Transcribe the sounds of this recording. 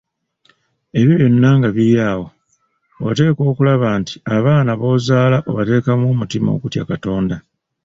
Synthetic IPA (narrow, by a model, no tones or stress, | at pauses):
e̞βiβjo̞nːaŋɡaβiɾjaːwo̞ | wa̰te̞ːko̞ːkulaβaːnti̥aβaːnaβo̞ːzaːlaʔoβate̞ːkamomutimao̰kutja̰kato̞ːnda